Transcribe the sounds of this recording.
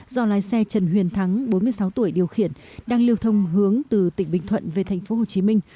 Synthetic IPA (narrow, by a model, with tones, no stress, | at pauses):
zɔ˧laː˨˦jsɛ˧t͡ɕə˧˩nɦwḭ˧˩ənt̪ʰa˨˦ŋɓo˨˦nmɨ˧jsa˨˦wt̪u˧˩əjɗi˨˩əwxḭ˧˨ənɗaː˧ŋli˧əwt̪ʰə˧wŋ͡mɦɨ˨˦əŋt̪ɨ˨˩t̪ḭ̈˧˩ŋ̟ɓï˧˩ŋ̟t̪ʰwə̰˧˨nve˨˩t̪ʰɛ˨˩jŋ̟fo˨˦ɦo˨˩t͡ɕi˨˦mï˧ŋ̟